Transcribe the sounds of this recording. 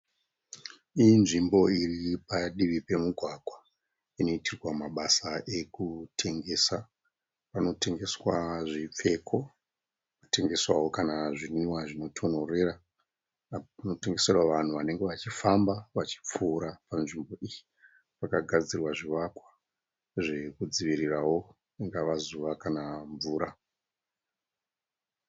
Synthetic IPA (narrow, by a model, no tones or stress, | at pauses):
inʐimbo̞iripaɗiʋipe̞muɡʱwaɡʱwa | ino̞itʰirwamaɓasaʔe̞kutʰe̞ŋɡe̞ːsa | pano̞te̞ŋɡe̞swaʐip͡fe̞kʰo̞ | pute̞ŋɡe̞swawo̞kanaʐiniwaʐino̞tʰo̞nore̞ra | no̞te̞ŋɡe̞serwaʋan̤uʋane̞ŋɡe̞ʋat͡ʃifambaʋat͡ʃi̥p͡fuːɾapanʐimbo̞ʔiji | pakaɡʱad͡zirwaʐiʋakwḁ | ʐe̞kud͡ziʋirirawo̞ | iŋɡaʋazuʋakanaɱvuːɾa